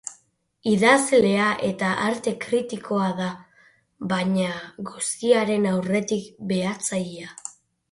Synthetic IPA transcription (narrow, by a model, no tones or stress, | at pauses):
iðazle̞aʔe̞t̪aʔaɾt̪e̞kɾit̪iko̞aða | βaɲaɡust̪iaɾe̞nawre̞t̪ikbe̞at͡sajia